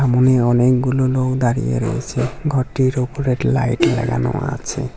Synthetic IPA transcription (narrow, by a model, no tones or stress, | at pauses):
amoneɔnekɡulolokd̪aɾijḛɾɔ̰ḛt͡ɕʰeɡʱɔʈːiɾopoɾeɾla̰jʈlɛ̰ɡa̰no̰a̰t͡ɕʰḛ